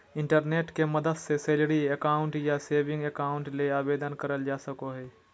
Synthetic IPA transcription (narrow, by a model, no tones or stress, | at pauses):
ɪ̃ɳʈəɾneːʈkemɐd̪əd̪seseːlɽiekaːʊ̃ɳʈjaseːʋɪ̃ŋɡekaːʊ̃ɳʈleaːbeːd̪ənkɐɾəld͡ʒaːsəkoɦɛː